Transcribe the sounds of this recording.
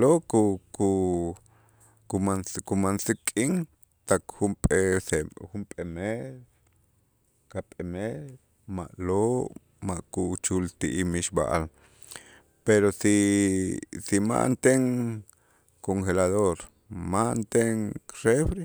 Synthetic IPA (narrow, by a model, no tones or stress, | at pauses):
lokuku | kumanskumansikʼiŋ | t̪akxumpʼesexumpʼemeɾ | kapʼemeɾ | ma̰ʔloʔ | maʔkut͡ʃult̪iʔimiʃba̰ʔa̰l | peɾosi | sima̰ʔnt̪eŋ | koŋxelaðoɾ | maʔnt̪eŋrefɾe